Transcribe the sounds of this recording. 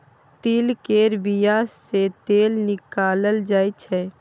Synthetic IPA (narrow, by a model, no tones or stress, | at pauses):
t̪iːlkeːɾbijaset̪eːlnɪkaːləld͡ʒaːit͡ʃʰɛː